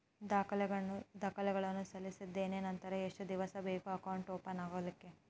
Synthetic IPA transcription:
d̪aːkʰɐlɛɡɐud̪aːkʰɐlɛɡɐɭɐnːusɐlːisid̪ːe̞ːneːnɐnt̪ɐɾɐeʂʈud̪iʋɐsɐbeːkuɐkɐwuɳʈoːpɐnaːɡoːlikːe

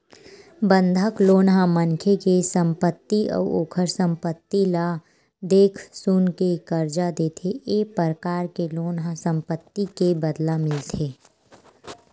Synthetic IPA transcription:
bə̃nd̪ʱəkloːnɦãmənkʰekesə̃mpət̪ːiʔɔ̰ːoːkʰəɾsə̃mpət̪ːila | d̪eːkʰsuːnkekəɾd͡ʒad̪eːt̪ʰeʔeːpəɾəkaːɾkeloːnɦasə̃mpət̪ːikebəd̪lamɪlt̪ʰeː

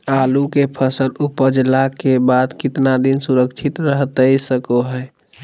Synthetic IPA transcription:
alukepʰəsəlupəd͡ʒlakebad̪kɪt̪nad̪insuɾəkt͡ʃʰit̪ɾəɦt̪əjsəkoɦɛj

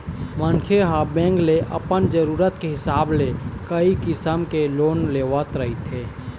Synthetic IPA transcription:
mənkʰeɦabẽːŋɡleʔə̰pənd͡ʒəɾuːɾət̪keɦɪsaːblekəikɪsəmkeloːnleːʋət̪ɾəɦit̪ʰeː

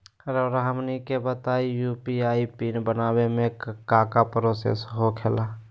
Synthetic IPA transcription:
ɾəɾaɦəmnikebət̪aijupiaipinbənabemẽkkakapɾosḛsɦokʰela

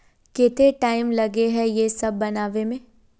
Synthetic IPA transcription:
kɪt̪eʈaːɪmlɐɡeɦɛjesɐbːɐnaːʋemẽː

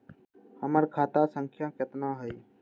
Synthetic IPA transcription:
həməɾkʰaːt̪aːsəŋkʰjãːkət̪nãːɦəiː

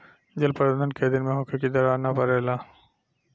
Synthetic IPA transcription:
d͡ʒɐlpɐɾənənked̪ɪnmẽɦoːkʰekid̪ɐɾaːnapɐɾeːlaː

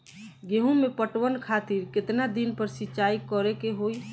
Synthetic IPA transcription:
ɡeɦũmepəʈwənkʰat̪iɾkɪt̪nad̪inpəɾsiːt͡ʃaikɔɾekeɦoi

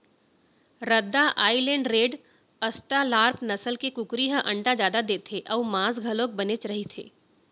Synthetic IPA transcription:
ɾɐd̪ːaʔaːilẽːɳɖɾeːɖ | əsʈalaːɾpʰnɐsəlkekʊkɾiɦə̃ʔɐ̃ɳʈad͡ʒjaːd̪ad̪eːt̪ʰeʔɔːmãːsɡʱɐlõk̚bɐnet͡ʃɾɐɦit̪ʰḛː

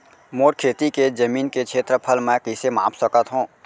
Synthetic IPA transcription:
moːʈkʰeːt̪iked͡ʒəmiːnkekʃʰeːt̪ɾəpʰəlmɛ̃kisemã̰ːpʰsəkət̪ɦũː

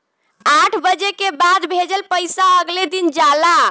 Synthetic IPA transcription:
aʈʰbəd͡ʒekebad̪bʱed͡ʒəlpəjsaəɡled̪ind͡ʒala

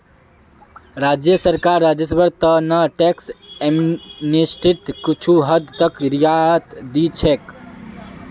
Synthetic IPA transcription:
ɾad͡ʒjəsəɾkaɾːad͡ʒəsbəɾt̪ənəʈeksemnisʈit̪kit͡ʃʰuɦəd̪t̪əkɾijat̪d̪it͡ʃʰek

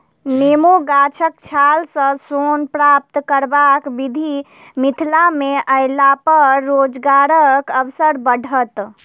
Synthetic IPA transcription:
nemoɡat͡ʃʰəkt͡ʃʰalsə̃sonpɾap̚t̪kəɾbakbid̪ʱi | mit̪ʰlameʔəɪlapəɾːod͡ʒɡaɾəkəwsəɾbəɖʱət̪

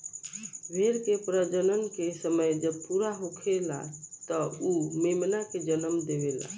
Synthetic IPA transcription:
bʱeɾkepɾəd͡ʒənənkesəməjd͡ʒəbpuɾaɦokʰela̰t̪əumemnaked͡ʒələmd̪eʋela̰

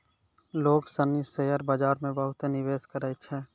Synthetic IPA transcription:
loːɡsənisejəɾbaːd͡ʒaːɾmẽbəɦʊt̪enɪʋeːskəɾət͡ʃʰɛː

